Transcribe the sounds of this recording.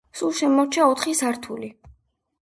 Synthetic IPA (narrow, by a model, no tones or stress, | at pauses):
sulˠʃɛmɔɾt͡ʃʰaɔt̪ʰχisaɾt̪ʰuli